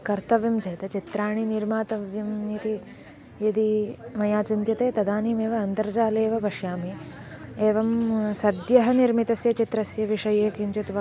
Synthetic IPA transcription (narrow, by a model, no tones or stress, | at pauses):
kɐɾt̪ɐʋjɐmd͡ʒʱɐjɐt̪ɐt͡ʃit̪ɾaːɳiniɾmaːt̪ɐʋjɐmnit̪i | jɐd̪imɐjaːt͡ʃint̪jɐt̪eːt̪ɐd̪aːniːmeːʋɐɐnt̪ɐɾd͡ʒaːleːʋɐʋɐʃjaːmieːʋɐmsɐd̪jɐɦɐniɾmit̪ɐsjɐt͡ʃit̪ɾɐsjɐʋiʂɐjeːkiɲt͡ʃɐt̪ʋɐ